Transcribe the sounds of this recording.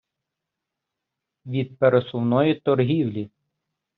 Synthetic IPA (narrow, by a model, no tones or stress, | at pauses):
ʋʲid̪̚peɾesʊwnɔjit̪ɔɾɦʲiwlʲi